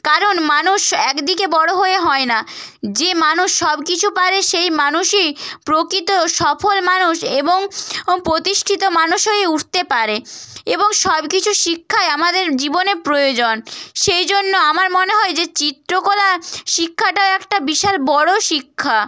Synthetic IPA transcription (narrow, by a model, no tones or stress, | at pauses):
kaɾonmanuʃɛkd̪ikebɔɽoɦoeɦɔenad͡ʑemanuʃːɔbkit͡ɕʰupaɾeʃejmanuʃipɾokɾit̪oʃɔfʰolmanuʃeboŋpɾot̪iʃʈʰit̪omanuʃɦojeuʈʰt̪epaɾeeboŋʃɔbkit͡ɕʰuʃikʰːaeamad̪eɾd͡ʑiboneɾpɾojod͡ʑonʃejd͡ʑonːoamaɾmoneɦɔed͡ʑet͡ɕit̪ːɾokolaʃikʰːaʈaoɛkʈabiʃalbɔɽoʃikʰːa